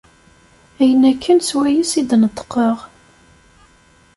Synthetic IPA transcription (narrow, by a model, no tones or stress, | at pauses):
æjənːækʰːənswæjisid̪nət̪ˤːə̥qːəʁ